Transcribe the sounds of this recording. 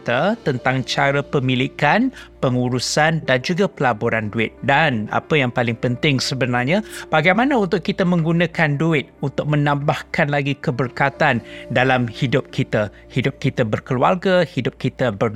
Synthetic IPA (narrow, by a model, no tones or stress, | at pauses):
t̪ət̪ənt̪aŋt͡ʃaɾapəmilikanpəŋuɾusandand͡ʒuɡapəlaboɾanduɪt̪̚dana̰pəjaŋpalɪŋpənt̪ɪŋsəbənarɲãb̥aɡajmanaunt̪ʊʔkkit̪əmə̃ŋɡunãkanduɪt̪̚unt̪ʊk̚mənãmbahkanlaɡikəbərkat̪andalamhidʊp̚kʰit̪a | hidʊp̚kit̪əbərkəluarɡahidʊp̚kit̪əbər